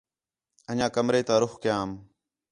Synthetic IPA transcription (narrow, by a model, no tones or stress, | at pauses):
əɲãːkəmɾeːt̪aːɾʊxkɪjãːm